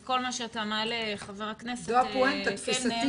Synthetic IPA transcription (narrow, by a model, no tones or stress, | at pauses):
ko̞lmaʃeataːmaleχaveʁakneseoapoent̪at̪fisat̪i